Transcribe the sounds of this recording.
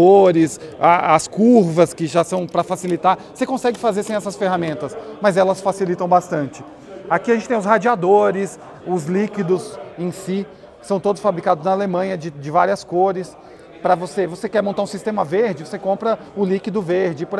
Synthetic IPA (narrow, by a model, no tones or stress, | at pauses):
oɾɪsaɐskuɾvɐskɪʒasɐ̃w̃pɾɐfasilit̪aɾosekõsɛɡɪfazeɾsẽj̃ɛsɐsfeɦamẽnt̪ɐsmɐzɛlɐsfasilit̪ɐ̃w̃bast̪ɐ̃nt͡ʃɪ | akiɐʒẽt͡ʃɪ̥t̪ẽʊshad͡ʒiad̪oɾɪs | ʊzlikid̪ʊzẽsi | sɐ̃w̃t̪od̪ʊsfabɾikad̪ʊznɐalemɐ̃ɲɐd͡ʒɪd͡ʒɪvaɾiɐskoɾɪs | pɾɐvosevosekɛɾmõnt̪aɾũsist̪ẽmɐveɾd͡ʒɪvosekõpɾɐ | ʊlikid̪ʊveɾd͡ʒɪp